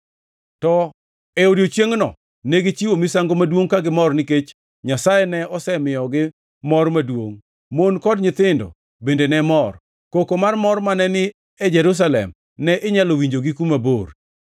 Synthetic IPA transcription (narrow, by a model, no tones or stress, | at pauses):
tɔ | ɛodiot͡ʃjeŋnɔ̰ | neɡɪt͡ʃiwomisaŋɡomadwoŋkaɡɪmɔrnɪket͡ʃ | ɲasajenɛɔsɛmɪɔɡɪ | mɔrmadwoŋ | monkɔdɲɪt̪ɪndɔ̰ | bendenɛmɔr | kokomarmɔrmanɛnɪ | ɛd͡ʒɛɾus̬alɛ̰m | nɛʔɪɲalowiɲd͡ʒoɡɪkumabor